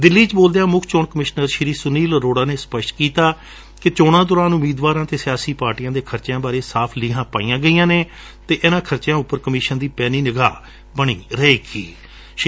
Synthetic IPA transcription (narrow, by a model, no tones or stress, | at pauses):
d̪ɪlːiːt͡ʃboːld̪ejãːmʊkʰt͡ʃoːɳkəmɪʃnəɾʃɪɾiːsʊniːlɾoːɽaːneːspəʃʈkiːt̪aː | kɪt͡ʃoːɽ̃ãːd̪ʊːɾaːnʊmiːd̪ʋaːɾãːt̪eːsɪjaːsiːpaːɾʈijãːd̪eːkʰəɾt͡ʃjãːbaːɾeːsaːpʰliːɦãːpaːiːjãːɡəiːjãːneː | t̪eːʔɪnãːkʰəɾt͡ʃjãːʊpːəɾkəmiːʃənd̪iːpɛːniːnəɡaː | bəɽ̃ḭːɾəeːkḭː